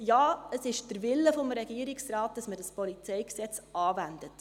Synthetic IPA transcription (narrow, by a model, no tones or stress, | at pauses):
jaːəsɪʃd̥əɾvɪlːəfɔmɾɛɡiːəɾɪksrɑːt̚d̥ɑsmədɑspɔlit͡sɛɪksɛt͡sɑːvændət